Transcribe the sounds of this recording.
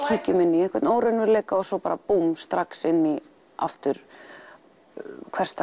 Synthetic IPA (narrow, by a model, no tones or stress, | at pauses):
c̪ʰiːcɪmɪnːɪɛnkvɛɾt̪noːwɾɛnʏɾleːjkaɔsɔpaːɾapumst̪ɾaksɪnːɪ | a̰ft̪ʏɾ̥ | kʰvɛr̥st̪